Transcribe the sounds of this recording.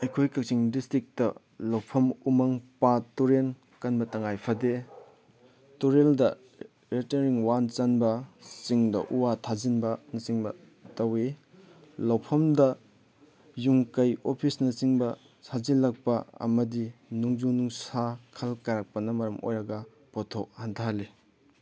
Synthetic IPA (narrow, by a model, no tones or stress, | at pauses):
ɐjkʰojkɐk̚t͡ʃiŋdistɾik̚tɐ | lɐwpʰɐmumɐŋpatuɾen | kɐnbɐtɐŋajpʰɐde | tuɾeldɐ | ɾiteɾiŋwant͡ʃanbɐsiŋdɐ̰ʔuwatʰazinbɐnɐsiŋbɐ | tɐwi | lawpʰɐmdɐ | juŋkɐjopʰisnɐsiŋbɐ | sazilɐk̚pɐɐ̰mɐdinuŋzunuŋsakʰɐlkaɾak̚pɐnɐmɐɾɐmo̰jɾɐɡɐ | potʰok̚hantʰali